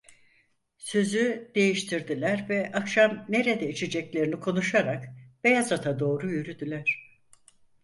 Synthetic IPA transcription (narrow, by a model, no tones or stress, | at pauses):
sø̞zyd̪̥e̞jiʃt̪ʰiɾd̪ilʲæɾvɛʔakʃamne̞ɾed̪ɛit͡ʃʰed͡ʒɛclʲe̞ɾinikʰo̞nuʃaɾakb̥ejazat̪ʰad̪o̞ːɾujyɾyd̪ylʲæɾ̥